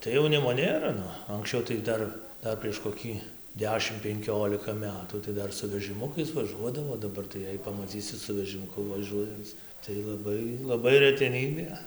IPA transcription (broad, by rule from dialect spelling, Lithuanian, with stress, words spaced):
tɐɪ jɛʊˈnʲɪmoː ˈnʲeːrɐ ˈnʊ ɐŋksʲˈt͡ʃʲɛʊ tɐɪ ɡʲɪ ˈdɐr ˈdɐr pʲrʲiɛʃ koːˈkʲiː ˈdʲæːʃʲɪm pʲɛŋʲˈkʲoːlʲɪkɐ ˈmʲæːtuː tɐɪ ˈdɐr sʊ ʋʲɛʒɨˈmʊkɐɪs ʋɐˈʒuɔdɐʋoː oː dɐˈbɐr tɐɪ ˈjɛɪ pɐmɐˈt͡sʲiːsʲɪ sʊ ʋʲɛʒʲɪmʊˈkʊ ʋɐˈʒuɔjɛnt͡s tɐɪ lˠɐˈbɐɪ lˠɐˈbɐɪ rʲɛtʲɛˈnʲiːbʲeː